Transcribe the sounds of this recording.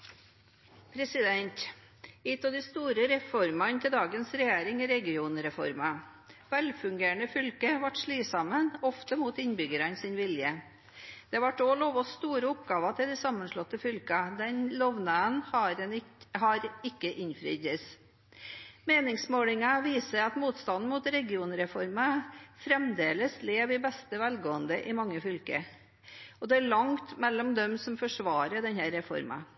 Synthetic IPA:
pʰɾɛsɪd̪ɛnt̪ | ɪt̪ɑd̪ɪst̪uːɾəɾɛfɔɾmɑnt̪ʰɪld̪ɑːɡənsɾɛjeːɾɪŋiɾɛɡɪuːnɾɛfɔ̰ɾmɑ | ʋɛlfʉŋɡeːəɳəfʏlkəʋɑʈʂɭiːsɑmənɔft̪əmuːt̪ɪnbʏɡəɾɑnsɪnʋɪljə | d̪̥ɛʋɑʈːoːloːʋɔst̪uːɾəʊpɡɑːʋɑt̪ʰɪld̪ɛsɑmːənʂɭɔt̪ːəfʏlkɑd̪ɛnlɔʋnəən | hɑɾɪkːəʔɪɲfɾy̰ːd̪əs | meːnɪŋsmoːlɪŋɑʋiːsəɾɑt̪muːt̪st̪ɑnn̩muːt̪ɾɛɡɪuːnɾɛfɔɾmɑfɾɛmd̪eːləsleːʋɪbɛst̪əʋælɡoːənd̪əʔɪmɑŋːəfʏlkə | ɔd̪ɛæɭɑŋt̪mɛlːɔmd̪ɛmsɔmfɔʂʋɑːɾəɖɛnhæːɾːɛfɔ̰ɾmɑ̰

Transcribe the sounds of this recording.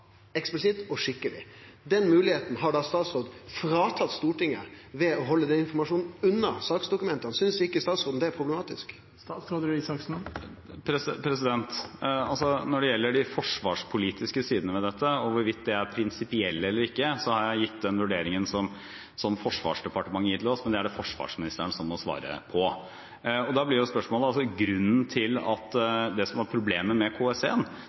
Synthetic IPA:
ɛksplɪsɪt̪ɔʂɪkːəlɪ̰ | d̪ɛnmʉːlɪheːt̪n̩ɦɑɖɑst̪ɑːt̪sɾoːd̪fɾɑːt̪ʰɑt̪st̪uːʈɪŋːə̰ʋɛɔɦɔlːəd̪ɛnɪnfɔɾmɑʂuːnn̩ʉnːəɾsɑːksd̪ʊkʉmɛnt̪əɑnsʏnsɪkːəst̪ɑːt̪sɾoːd̪n̩d̪ɛæɾpʰɾʊblɛmɑːt̪ɪsk | sɑsɾoːd̪ɪsɑksn | pʰɾɛspʰɾɛsɪd̪ɛnt̪ɑlsɔnɔɖɛjɛlːəɖɪfɔʂʋɑ̰ːʂpʰʊliːt̪ʰɪskəsiːd̪ənəʋɛd̪ɛt̪ʰːəɔʋʊɾʋɪt̪̚d̪ɛæɾpʰɾɪnsɪpɪɛlːəɛlːəɾɪkːəsɔhɑɾjæɪjɪt̪ːd̪ɛnʋʉɖeːɾɪŋənsɔm | sɔmfɔʂʋɑ̰ːʂd̪ɛpɑʈəmɑŋːəjiːt̪ʰɪlɔsmɛnd̪ɛæɖɛfɔʂʋɑ̰ːʂmɪnɪst̪əɳəsɔmːɔsʋɑ̰ːɾə̰pʰɔ | ɔd̪ɑblɪjʊspœʂmoːləɑlsɔɡɾʉnːnt̪ʰɪlɑt̪ːd̪ɛsɔmæɾpʰɾʊbleːməmɛkʰoːɛsḛːən

